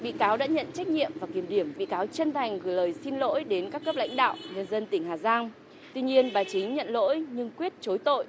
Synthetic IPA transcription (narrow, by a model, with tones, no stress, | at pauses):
ɓḭ˧˨kaː˨˦wɗa̰ː˧˥ɲə̰˧˨nt͡ɕa˦˥jk̟̚ɲḭ˧˨əmvaː˨˩ki˧˩əmɗi˧˩əmɓḭ˧˨kaː˨˦wt͡ɕə˧nt̪ʰa˨˩jŋ̟ɣɨ˨˩ləː˨˩jsi˧nlo̰˧˥jɗe˨˦nkaː˦˥kːə˦˥p̚la̰˧˥jŋ̟ɗa̰ː˧˨wɲə˧nzə˧nt̪ï˧˩ŋ̟haː˨˩zaː˧ŋ | t̪wi˧ɲi˧ənɓaː˨˩t͡ɕï˨˦ŋ̟ɲə̰˧˨nlo̰˧˥jɲɨ˧ŋkwi˦˥ət̚t͡ɕo˨˦jt̪o̰˧˨jʔ